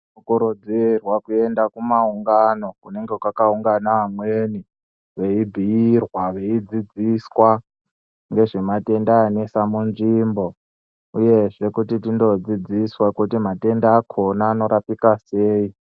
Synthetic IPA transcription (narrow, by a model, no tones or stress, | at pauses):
ukuɾod͡zirwakue̞ndakumauŋɡano̞kune̞ŋɡekwakauŋɡanaːmweːni | ʋe̞ibʱijirwaʋe̞id͡zid͡ziswa | ŋɡe̞ʐimate̞ndaːnesamunʐimbo̞ | uje̞ʐe̞kutitindo̞d͡zid͡ziswakutimate̞ndaːkʰo̞naːno̞ɾapikase̞ːi